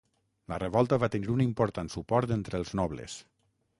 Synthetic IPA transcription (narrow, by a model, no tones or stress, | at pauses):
ləreβɔlˠt̪əβat̪eniɾunimpoɾt̪ansupɔɾt̪ent̪ɾeəlˠznɔβlḛs